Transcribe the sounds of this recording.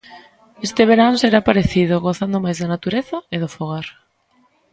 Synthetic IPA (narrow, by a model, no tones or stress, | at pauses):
est̪eβ̞eɾanseɾapaɾeθiðʊɣoθand̪omajzðɐnat̪uɾeθɐeðofoɣaɾ